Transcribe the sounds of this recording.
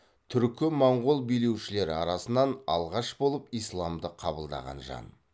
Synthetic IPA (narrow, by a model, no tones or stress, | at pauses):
t̪ʰʏɾkʲɪmɑɴʁʊlˠbijle̞wʃɪle̞ɾɪɑɾɑsənɑnɑ̰lˠʁɑʃbolˠəpijslˠɑmd̪əqʰɑbəlˠd̪ɑ̰ʁɑ̰nʒɑ̰n